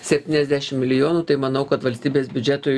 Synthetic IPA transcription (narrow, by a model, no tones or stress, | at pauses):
sʲɛpʲt̪ʲiːnʲɛzʲd̪ʲæʃʲɪmmʲɪlʲɪjoːnuːt̪ɐɪmɐnɐʊkɐt̪ʋɐlʲsʲt̪ʲiːbʲeːsbʲʊd͡ʒʲɛt̪oː